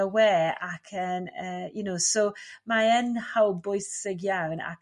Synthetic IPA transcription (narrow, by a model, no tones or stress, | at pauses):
əwɛːakʰənəːjunowsowmaɛnhawbʊɨθɪɡjawna̰k